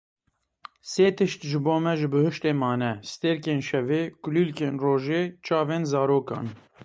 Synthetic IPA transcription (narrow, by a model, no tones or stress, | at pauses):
seːt̪ʰɨʃt̪ʒɨboːmɛʒɨbɨhɨʃt̪eːmɑːnɛsɨ̥t̪eɾkeːnʃɛveːkʊliːlkeːnroːʒeːt͡ʃɑːveːnzɑːɾoːkɑ̰ːn